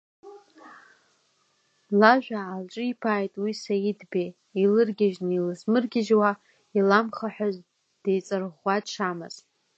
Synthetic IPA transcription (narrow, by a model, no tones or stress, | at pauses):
laʒᶣʷaːlʈ͡ʂʼɨipʰaːjtʼwisajidbe | ilɨrɡʲaʒnɨilɨzmɨrɡʲɪʒwa | ilamχaħʷᶣaz | d̥ejt͡sʼɨrʁaʂʰama̰zʼ